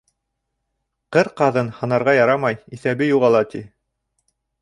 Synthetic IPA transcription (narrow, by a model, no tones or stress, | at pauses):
qɤɾqɑðɤnhɤ̆nɑɾʁɑjɑɾɑmɑjiθæbɘjuʁɑlˠɑt̪i